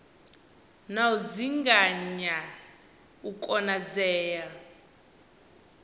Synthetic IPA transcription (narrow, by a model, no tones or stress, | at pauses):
naud͡ziŋɡaɲa | ukʼɔnad͡zɛːja